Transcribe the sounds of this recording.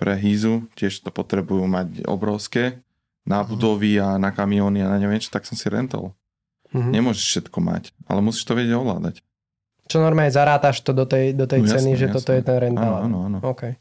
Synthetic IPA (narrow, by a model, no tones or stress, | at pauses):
pɾɛɦiːzucɪɛʃt̪ɔpɔt̪ɾɛbujuːmacɔ̰bɾɔʊskɛ | nabud̪ɔʋianakamiɔːnianaɲɛʋjɛmt͡ʃɔ̥t̪aksɔmsiɾɛ̰nt̪ɔ̰l̩ | ɦɲɛmʊɔʒɛʃʃɛt̪kɔma̰ca̰lɛmusiːʃt̪ɔʋɛɟɛɟɔʋla̰ːd̪ac | t͡ʃɔnɔɾmaːɲɛzaɾaːt̪aʃt̪ɔd̪ɔt̪ɛjd̪ɔt̪ɛjjt͡sɛniʒɛt̪ɔt̪ɔjɛt̪ɛnɾɛntaalanɔanɔɔkɛj